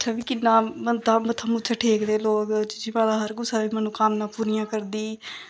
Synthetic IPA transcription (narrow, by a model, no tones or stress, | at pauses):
ət͡ʃʃʰaːbiːkɪnːãːmət̪aːmət̪ʰːamʊt͡ʃʰəʈʰeːkd̪eːloːkd͡ʒd͡ʒɪʋãːd̪aːɦəɾɡʊsaːbiːmɛːnũːkaːmnãːpuːɾijãːkəɾd̪iː